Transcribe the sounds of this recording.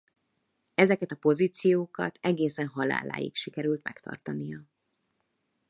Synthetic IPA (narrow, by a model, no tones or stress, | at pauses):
ɛzɛkɛt̪ɒpo̞ziːt̪sijoːkɒ̰t̪ʰɛɡeːsɛnɦɒla̰ːla̰ːjḭkʃikɛɾylt̪mɛ̰kt̪ʰɒ̰rt̪ɒnijɒ